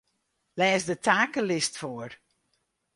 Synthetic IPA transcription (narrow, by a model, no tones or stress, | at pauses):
lɛːsdətʰaːkəlɪstfoər